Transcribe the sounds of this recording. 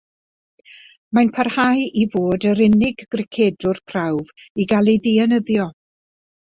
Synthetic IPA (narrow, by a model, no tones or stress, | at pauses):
manpʰarhajʔivoːdəɾɪnɪɡːrɪkʰeːdʊrpʰrawviɡalˠejðiɛnəðjɔ